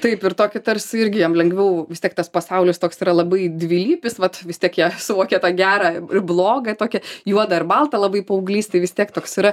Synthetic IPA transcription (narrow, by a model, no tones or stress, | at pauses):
t̪ɐɪpɪrt̪oːkʲɪt̪ɐɾʲsʲɪɪɾʲɡʲɪjɛmlʲɛŋɡʋʲɛʊʋʲɪst̪ʲiɛkt̪ɐspɐsɐʊlʲɪst̪oːksiːɾɐlˠɐbɐɪd̪ʲʋʲiːlʲiːpʲɪsʋɐt̪ʋʲɪsʲt̪ʲiɛkjiɛsʊʋoːkʲɛt̪ɑːɡʲæːɾɑɪblˠoːɡɐt̪oːkʲɛjuɔd̪ɐɪɾbɐlˠt̪ɐlˠɐbɐɪpɐʊɡlʲiːst̪ɐɪʋʲɪst̪ʲiɛkt̪oːksiɾɐ